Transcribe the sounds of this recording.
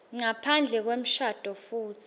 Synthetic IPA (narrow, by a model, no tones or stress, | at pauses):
ŋapʰand͡ɮʱɛk̬wem̩ʃad̥ʱɔfuːt͡sʰi̥